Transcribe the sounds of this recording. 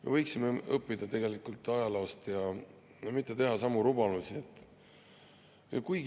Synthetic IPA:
me̞vɤjksimeɤpːˑid̪̥ɑt̪e̞ɡ̥e̞likult̪ːˑɑjɑlost̪jɑ | jɑmit̪ːˑe̞t̪e̞ɦɑsɑmuɾubɑlusiet̪ːˑ | jɑ̰kujɡ

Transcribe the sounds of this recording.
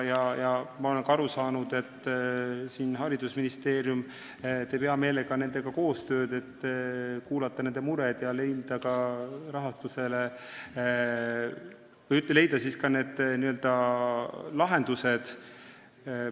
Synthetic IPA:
jɑjɑmɑo̞le̞ŋkɑɑɾusɑːnud̪̥e̞t̪ː | siːnɦɑɾid̪usminist̪e̞ːɾjum | t̪ejpeɑme̞ːleɡ̥ɑne̞ne̞ɡ̥ɑko̞ːst̪ø̞ːd̪̥e̞t̪ːkuːlɑt̪ːɑne̞nd̪̥e̞muɾed̪̥jɑle̞jnd̪̥ɑkɑɾɑɦɑst̪use̞le | vɤjyt̪lele̞jd̪̥ɑsiskɑne̞ːd̪̥niøld̪̥ɑ | lɑɦe̞nd̪̥use̞d̪̥

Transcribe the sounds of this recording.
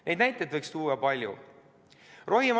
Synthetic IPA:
nʔe̞jd̪næjt̪ːˑed̪vɤjkst̪uːɑpɑlʲjṵ | rʔo̞ɦim

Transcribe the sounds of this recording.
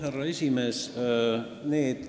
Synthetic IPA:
hærːɑesʲimeːs | neːd̪̥

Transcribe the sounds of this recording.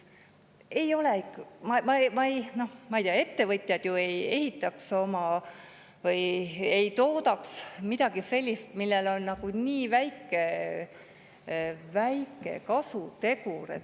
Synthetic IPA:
e̞jo̞leikːmɑmɑmɑejno̞hmɑejt̪ijɑe̞t̪ːe̞vɤt̪ʲˑjɑd̪̥jue̞je̞hit̪ːˑɑkso̞mɑ | vɤjejt̪o̞ːd̪ɑksmid̪̥ɑɡ̥ise̞lʲːist̪milːelo̞nːnɑɡ̥uniːvæjkːˑe̞ | væjkːˑe̞̰kɑsut̪e̞kuɾḛ

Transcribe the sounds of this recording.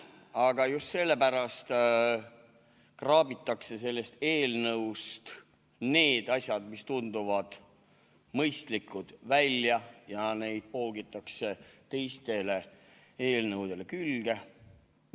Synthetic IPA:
ɑɡ̥ɑjust̪se̞lːe̞pæɾɑst̪ | krɑːbit̪ːˑɑkse̞s̬e̞lːe̞st̪e̞ːlnɤwst̪ | ne̞ːd̪̥ɑsʲjɑd̪̥mist̪und̪̥uvɑd̪̥ | mɤjst̪likːud̪̥vælʲjɑjɑne̞jd̪̥̚po̞ːɡit̪ːˑɑkse̞t̪e̞jst̪e̞le̞ | e̞ːlnɤwd̪̥e̞le̞kylɡ̥e̞

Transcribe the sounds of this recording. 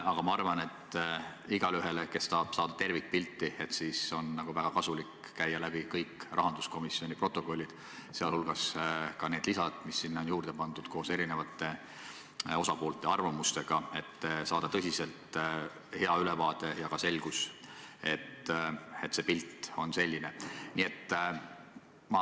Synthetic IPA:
ɑɡ̥ɑmɑɑrvɑne̞t̪ː | iɡ̥ɑlyɦe̞leke̞sːɑːb̥sɑːd̪̥ɑt̪e̞rvik̚pilt̪ːˑie̞t̪siːso̞nːɑɡ̥uvæɡ̥ɑkɑsulik | kæjːɑlæbikɤjkrɑ̰ɦɑnd̪̥usko̞misːio̞nʲipro̞t̪ːˑo̞ko̞lʲːid̪̥ | seɑlhulɡ̥ɑskɑne̞ːd̪̥lisɑd̪̥misːinːonjuːrd̪̥e̞pɑnd̪ud̪̥ko̞ːse̞ɾine̞vɑt̪ːˑe̞ | o̞sɑpo̞ːlt̪ːˑe̞ɑrvɑmust̪e̞ɡ̥ɑe̞t̪ːsɑːd̪̥ɑt̪ɤsʲise̞lt̪ | he̞ɑylɛvɑːt̪e̞jɑkɑse̞lɡ̥use̞t̪ːe̞t̪ːse̞pilt̪ːo̞nse̞lʲːine̞niːe̞t̪ | mɑ

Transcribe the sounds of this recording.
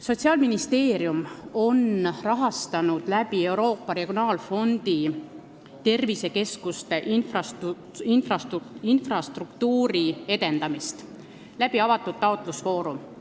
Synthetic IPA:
so̞t̪ʲsiɑːlminist̪e̞ːɾjumo̞nrɑɦɑst̪ɑnud̪̥læbie̞wɾo̞ːpːɑɾe̞ɡ̥ionɑːlfo̞nd̪̥i | t̪e̞rvise̞ke̞skust̪eʔnfrɑs | infrɑinfrɑst̪rukt̪uːɾie̞d̪e̞nd̪ɑmist̪ | læb̥iɑvɑt̪ːˑud̪̥t̪ːɑot̪ˑlusvo̞ːɾum

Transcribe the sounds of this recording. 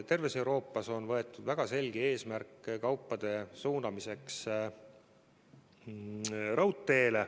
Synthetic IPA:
t̪e̞rvese̞wɾo̞ːpːˑɑso̞nvɤ̞e̞t̪ːˑud̪væɡ̥ɑse̞lʲɡ̥ie̞ːsmærkːkɑwpːˑɑd̪̥e̞suːnɑmise̞ks | rɑwt̪ːe̞ːle

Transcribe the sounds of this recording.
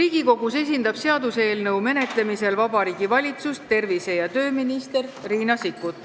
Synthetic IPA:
riːɡ̥iko̞ɡ̥use̞s̬ʲind̪̥ɑb̥se̞ɑd̪useːlnɤwme̞ne̞t̪le̞mise̞lvɑbɑɾiːɡ̥ivɑlʲit̪sust̪ːe̞rvise̞jɑt̪ø̞ːminist̪e̞rriːnɑsikːut̪ˑ

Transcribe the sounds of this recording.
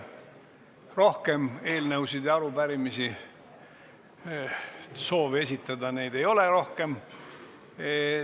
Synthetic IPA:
ro̞hke̞me̞ːlnəuwsid̪jɑɑɾubæɾimisi | so̞ːve̞s̬ʲit̪ːˑɑd̪ɑne̞jd̪ejo̞le̞ɾo̞hke̞m

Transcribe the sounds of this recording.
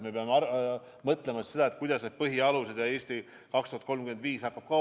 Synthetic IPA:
me̞peɑmeɑ | mɤt̪ˑle̞mɑsse̞d̪ɑe̞t̪kujd̪̥ɑsneb̥̚pɤɦiɑluse̞d̪̥jɑe̞ːsʲt̪i | kɑkst̪uhɑt̪̚ko̞lmkyend̪viːshɑkːɑb̥̚kɑ

